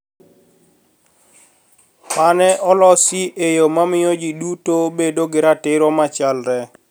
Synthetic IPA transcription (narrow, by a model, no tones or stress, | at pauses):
manɛʔɔlɔsiʔejomamɪjɔd͡ʒidutobedoɡɪɾatɪɾɔmat͡ʃalɾɛ